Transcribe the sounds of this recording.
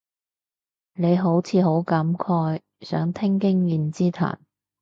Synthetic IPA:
ne˨˧jɦo˨˥wt͡sʰiː˨˧ɦo˨˥wkɐ˨˥mkʰɔː˧j | sœ̰ː˨˥ŋt̪ʰɪ˥ŋkɪ˥ŋjiː˧nt͡siː˥t̪ʰa̰ː˨˩n

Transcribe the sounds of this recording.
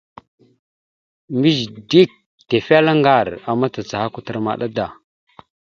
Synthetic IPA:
mi˦zdi˦k̚ | te˨fa˦la˦ŋɡa˦˨ɾa˨ma˦ta˨t͡sa˨ha˦ku˦tə˨ɾma̰˨ɗa˦da˨

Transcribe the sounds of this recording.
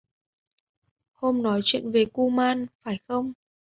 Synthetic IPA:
ho˧mnɔ˨˦jt͡ɕwḭ˧˨ənve˨˩ku˧maː˧nfaː˧˩jxə˧wŋ͡m

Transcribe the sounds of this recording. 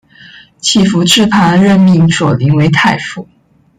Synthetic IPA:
t͡ɕʰi˥˩fu˧˥ʈ͡ʂɻ̩˥˩pʰa˧˥nɻə˥˧nmi˥˧˩ŋʂwɔ˨˩li˧˥ŋwe˧˥ɪt̪ʰa˥˧˩ɪfu˥˩˦

